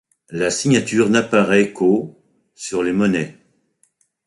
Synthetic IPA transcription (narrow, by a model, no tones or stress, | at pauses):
lasiɲat̪yʁnapaʁɛko | syʁlemɔnɛ